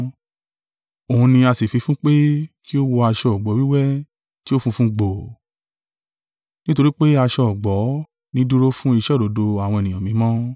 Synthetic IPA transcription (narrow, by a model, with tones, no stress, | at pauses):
o˨ũ˧nĩ˧a˧si˨fi˨˧˦fũ˦k͡pe˦ki˦o˦wo˧a˧ʃɔ˧˨ɔ˨ɡ͡bɔ˨˦wi˦wɛ˦ | ti˦o˦fũ˧fũ˦ɡ͡bo˨ | nĩ˦to˧ɾi˦k͡pe˦a˧ʃɔ˧ɔ˨ɡ͡bɔ˨˦ | nĩ˦du˦ɾo˦fũ˦i˦˧ʃɛ˦ɾo˨˦do˧a˨w̃ɔ̃˧e˨nĩ˨ã˨mĩ˨˦mɔ̃˦